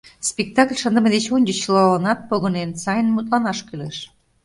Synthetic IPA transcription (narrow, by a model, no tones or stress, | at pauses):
spʲek̚t̪ɑklʲʃənd̪ə̆med̪et͡ɕonʲd̪ʲət͡ɕlɑlənɑt̪̚poɣə̆nensɑjənmut̪lɑnɑʃkyleʃ